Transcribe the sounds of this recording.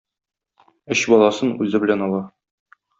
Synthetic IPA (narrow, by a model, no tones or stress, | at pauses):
ɘɕbɒlˠɑsɤnʉzɘbɘ̆lænɒlˠɑ